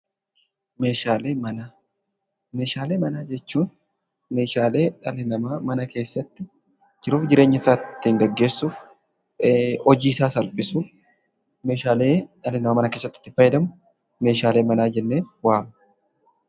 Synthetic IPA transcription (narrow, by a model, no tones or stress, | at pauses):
me̞ːʃaːleːmɐnaː | me̞ːʃaːle̞ːmɐnaːd͡ʒɛt͡ʃːuːn | meːʃaːle̞ːɐlɪnɐmaːmɐnɐke̞ːsːɐt̪ːɪ | d͡ʒɪɾuːfd͡ʒɪɾe̞ːɲːɐɪsaːtt̪ːiːŋɡɐɡːe̞ːsːuːf | ɔd͡ʒiːɪsaːsɐlpʼɪsuːf | me̞ːʃaːle̞ːɐlːɪnɐmamɐnɐkeːsːɐt̪ːɪ̥t̪ːɪfɐjɛd̪ɐmʊ | me̞ːʃaːleːmɐnaːd͡ʒɛnːe̞ːnwaːmɐ